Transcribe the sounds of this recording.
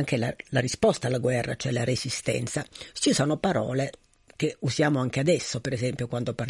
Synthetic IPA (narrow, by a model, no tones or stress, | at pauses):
ŋk̟elalaɾispɔst̪aːlːaɡwɛrːat͡ʃoɛlaɾesist̪ɛ̰nt̪sat͡ʃisoːnopaɾɔːle | k̟euzjaːmoaŋk̟ead̪ɛsːopeɾesɛmpjokwand̪opar